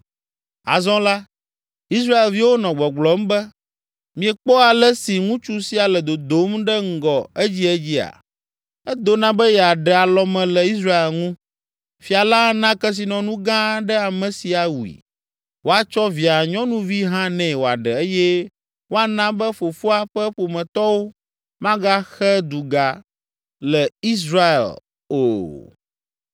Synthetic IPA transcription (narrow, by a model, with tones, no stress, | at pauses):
a̰˨zɔ̃˦la˦ | i˦s̬ɾa˦e˨lvi˦wo˦nɔ̃˨ɡ͡bɔ˨ɡ͡blɔ˨m˦bɛ˦ | mĩ˨ɛ˨k͡pɔ˦a˨lɛ˦si˨ŋũ˦t͡ʃu˦si˦a˨lɛ˨d̪o˨d̪o˨˦mɖɛ˦ŋ̩˦˨ɡɔ˨e˦d͡ʑi˦ɛ˦d͡ʑi˦a̰˨ | ɛ˦d̪o˦nã˦bɛ˦jɛ˨a˨ɖɛ˨a˨lɔ˦mɛ̃˨lɛ˨i˦s̬ɾa˦e˨lŋũ˦ | fi˨a˨la˦nã˦kɛ˦s̬i˨nɔ̃˨nũ˦ɡã˦ɖɛ˦a˨mɛ̃˨si˨a˨wu˨ḭ˨ | wo˦a˨t͡ʃɔ˦vi˨a˨ɲɔ̃˦nũ˦vi˦ɦã˦nɛ̃˨wo˨a̰˨ɖɛ˨e˦jɛ˦ | wo˦a˨nã˦bɛ˦ɸo˨fo˦a˨ɸɛ˦ɸo˨mɛ̃˨t̪ɔ˦wo˦ | mã˦ɡa˦xɛ˦d̪u˨ɡa˨ | lɛ˨i˦s̬ɾa˦ḛ˨l | o˦˨